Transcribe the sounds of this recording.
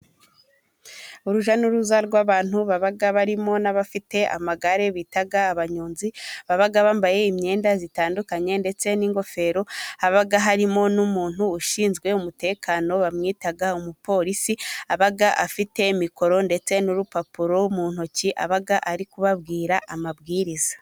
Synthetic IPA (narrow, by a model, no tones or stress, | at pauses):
uɾuʒanuɾuzaɾɡwaːβaːn̥huβaβaɡaβaɾimo̞naβafite̞ʔa̰maɡaɾe̞βiːtaɡaːβaɲuːnziβaβaɡaβaːmbaje̞imɲe̞ːndazitaːndukaɲe̞nde̞t͡se̞niŋɡo̞fe̞ɾo̞aβaɡaɦaɾimo̞numuːn̥huːʃiːnzɡwe̞umute̞ːkaːno̞βamŋiːtaɡaumupo̞ɾisiaβaɡaʔafite̞imiko̞ɾo̞nde̞t͡se̞nuɾupapuɾo̞muːn̥hociʔa̰βaɡaʔaɾikuβaβɡiːɾaʔamabɡiːɾizḁ